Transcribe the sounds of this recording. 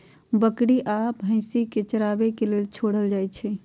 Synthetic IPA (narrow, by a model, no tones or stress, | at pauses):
bəkɽiʔapɦə̃ɪ̃siket͡ʃəɾabekelelt͡ʃʰoɽəld͡ʒaːjt͡ʃʰɛ